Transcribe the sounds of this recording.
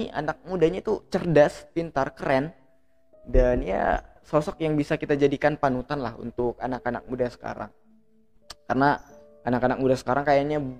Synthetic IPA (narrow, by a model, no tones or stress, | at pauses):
ia̰nak̚mudaɲait̪ut͡ʃərdaspint̪arkəɾɛn | danija̰ | sɔsɔk̚jaŋbisakit̪ad͡ʒadikanpanut̪anlaɦṵnt̪ʊk̚anakana̰k̚mudasə̥ka̰ɾa̰ŋ | karna | anakanak̚mudasə̥kaɾaŋkajaɲa